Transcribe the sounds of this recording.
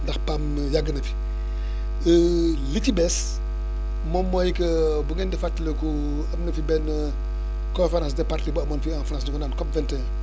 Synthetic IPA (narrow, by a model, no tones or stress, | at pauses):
ndɐxpam | jaɡːənɐfi̥ | əlitibɛs | mɔmːɔjkɐbuɡɛndɛfatːilɐku | ɐmnɐfibɛn | kõnfeɾãsdɛpartlibuɐmɔːnfianfɾãs̬ɲukɔnaːnkɔpvɛntɛ